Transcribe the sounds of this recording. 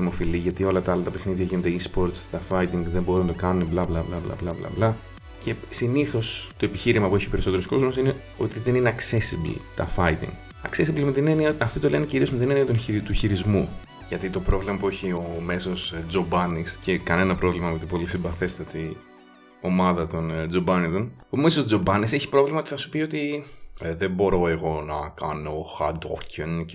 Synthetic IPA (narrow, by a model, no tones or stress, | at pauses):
imo̞filiʝɐt̪io̞lɐt̪ɐɐlɐt̪ɐpexniðʝɐʝined̪eispo̞ɾt̪t̪ɐfɐjit̪iŋɡðe̞mbo̞ɾunɐd̪o̞kɐnuneblɐblɐblɐblɐ̰blɐ̰blɐ̰blɐ | ce̞siniθo̞st̪o̞epiçiɾimɐpue̞çiope̞ɾiso̞t̪eɾosko̞zmosine̞ | o̞t̪iðe̞nine̞ɐkse̞siblḭt̪ɐ̰fɐit̪ḭŋɡ | ɐksesiblimet̪ineniɐɐft̪ot̪ole̞neciɾiozme̞t̪ineniɐt̪unit̪uçiɾizmu | ʝɐt̪it̪o̞pɾo̞vlimɐpueçio̞me̞so̞sd͡zobɐniscekɐne̞nɐpɾo̞vlimɐmot̪ipo̞lisimbɐθe̞st̪ɐt̪i | o̞mɐðɐt̪o̞nd͡zo̞bɐniðonpumesod͡zobɐnise̞çi̥pɾo̞vlimɐot̪iθɐsu̥pio̞t̪i | ðebo̞ɾo̞e̞ɣo̞nɐkɐ̰noːxɐ̰d̪o̰fcon